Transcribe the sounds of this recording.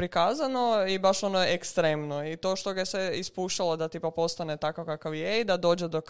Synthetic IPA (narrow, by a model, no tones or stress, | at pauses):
pɾikaːzano̞ibaʃo̞nojeekst̪ɾeːmnoit̪o̞ːʃt̪oɡajesʋeispuːʃt͡ʃalˠod̪at̪ipapo̞st̪anet̪akaʋkakaʋjeid̪ad̪o̞ːd͡ʒed̪ok